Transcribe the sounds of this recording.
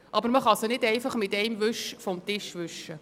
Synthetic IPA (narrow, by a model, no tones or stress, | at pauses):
ʔɑbəɾməχɑsnɪdɛɪfɑχmɪtɛɪmʋʏʃfɔmt̪ɪʃʋʏʃə